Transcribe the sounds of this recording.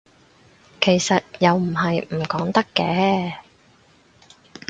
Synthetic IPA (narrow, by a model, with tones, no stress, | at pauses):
kʰe˨˩jsɐ˨t̚jɐ˨wm̩˨˩ɦɐ˨jm̩˨˩kɔː˨˥ŋt̪ɐ˥kːɛː˧˥